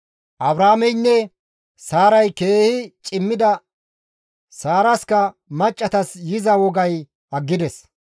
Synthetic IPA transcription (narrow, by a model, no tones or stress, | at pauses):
ʔɐbɾaːmɛjnːɛ | saːɾɐjkeːhɪt͡ʃʼɪmːɪd̪ɐ | saːɾɐskɐ | mɐt͡ʃʼːɐt̪ɐsjɪzɐwɔɡɐj | ɐɡːɪd̪ɛs